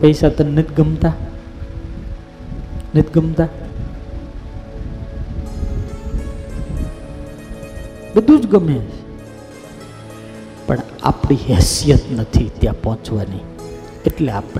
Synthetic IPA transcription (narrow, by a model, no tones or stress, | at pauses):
pəisat̪onɪt̪ɡəmt̪a | nɪt̪ɡəmt̪a | bəd̪ʱũd͡ʒɡəme | pəɳ | a̰pɽ̃iɦɛsijət̪nət̪ʰit̪jãpɔɦɔ̃t͡ʃʋani | eʈleap